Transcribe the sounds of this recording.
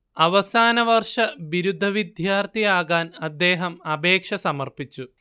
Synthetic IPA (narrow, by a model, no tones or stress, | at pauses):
ɐʋɐsaːnɐʋɐrʂɐʋiɾud̪ʱɐʋid̪ʱjaːrt̪ʰijaːɣaːnɐd̪ːe̞ːɦɐmɐbe̞ːkʂɐsɐmɐrpit͡ɕːu